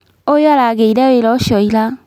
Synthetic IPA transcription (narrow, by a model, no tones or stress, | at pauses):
ojalaɡeidɛwelɔʃɔjila